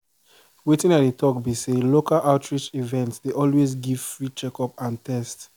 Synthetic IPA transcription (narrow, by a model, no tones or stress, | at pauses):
wetĩŋat̚etʰɔkbiselokalʔaʊtʰɹit͡ʃivɛ̃ntsdeʔɔlwezɡiv̥fɹit͡ʃɛkɔpãntʰɛst